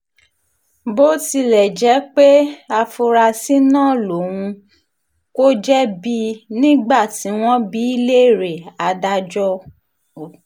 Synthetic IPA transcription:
bo˦ti˧lɛ˨d͡ʒɛ˨˦k͡pe˦a˧fu˧ɾa˧si˦nãː˦˨lo˨w̃ũ˧ | ko˦d͡ʒɛ˦bi˧nĩ˦ɡ͡ba˦˨ti˨˦w̃ɔ̃˦bi˦i˦le˦˨ɾe˨a˧da˧d͡ʒɔ˧

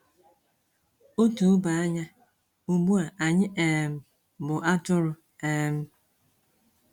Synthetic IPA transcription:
o˦tu˨˦ba˨a˦ɲa˦ | u˨ɡ͡bu˦a˨ʔa˨ɲɪ˦ʔe˨m̩˨ | bʊ˨ʔa˦tʊ˦ɾʊ˨ | e˦˨m̩˦

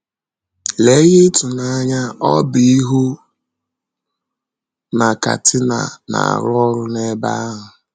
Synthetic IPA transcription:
le˦ɣɪ˦tʊ˨na˦ɲa˦ɔ˦bi˦i˦ɦu˦ | na˨ka̰˨tʰɪ˦na̰˨na̰˨a̰˨ɾʊ˦ɔ˦ɾʊ˦ne˦ba˦a˦ɦʊ˨

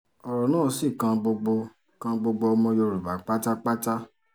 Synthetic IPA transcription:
ɔ˧ɾɔ˨nãː˦˨˧si˦˨kã˧ɡ͡bo˧ɡ͡bo˧ | kã˧ɡ͡bo˧ɡ͡bo˧ɔ˧mɔ̃˧jo˧ɾu˨ba˨k͡pa˦ta˦k͡pa˦ta˦

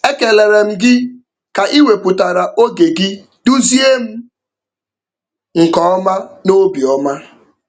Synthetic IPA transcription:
e˦ke˨le˨ɾe˨m̩˦ɡɪ˦ | ka˨ʔi˦we˨pʊ˨ta˨ɾa˨ʔo˦ɡe˨ɡɪ˦ | du˦zi˦e˦m̩˦ | ŋ̩˨kɔ˨ɔ˦ma˦no˦bi˨ɔ˦ma˦

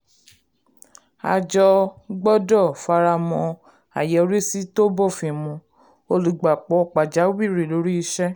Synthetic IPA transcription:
a̰˧d͡ʒɔ˧ɡ͡bɔ˦dɔ˦˨fa˧ɾa˧mɔ̃˧ | a̰˨jɛ˨˦ɾi˦si˦to˦bɔ˦˨fĩ˨mɔ̃˧ | o˧lu˨ɡ͡ba˨k͡pɔ˧k͡pa˨d͡ʒa˨˦wi˦˨ɾe˨lo˨˦ɾi˦i˧ʃɛ˦

